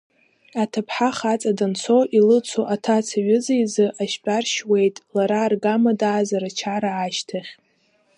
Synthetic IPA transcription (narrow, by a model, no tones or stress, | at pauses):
atʰapʰħaχat͡sʼadant͡sʰo̞ʔilɨt͡sʰoʔatʰat͡sʰaɥɪzijzɨʔaʃpʼarʃwe̞jtʼlaɾaːrɡamadaːzaɾat͡ʃʰaɾaːʃtʰaχʲ